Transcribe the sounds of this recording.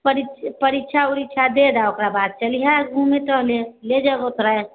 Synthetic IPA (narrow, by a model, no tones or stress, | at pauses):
pəɾitpəɾitːt͡ʃʰauɾikt͡ʃʰad̪ed̪aokɾabad̪̚t͡ʃəliɦaɡʱũmẽʈəɦleled͡ʒəɡot̪ɾəe